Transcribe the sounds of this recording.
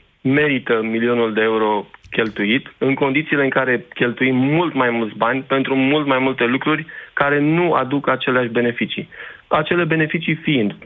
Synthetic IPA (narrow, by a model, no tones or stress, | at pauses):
me̞ɾit̪əmilio̞nuld̪e̞euɾo̞kʲe̞lt̪uit̪ɨŋko̞nd̪it̪siːle̞ɨŋkaɾe̞kʲe̞lt̪uimːult̪majmult̪sʲbanʲpe̞nt̪ɾumult̪majmult̪e̞lukɾurʲkaɾe̞nua̰d̪ukat͡ʃe̞leaʃʲbe̞ne̞fit͡ʃiat͡ʃe̞le̞be̞ne̞fit͡ʃifiind̪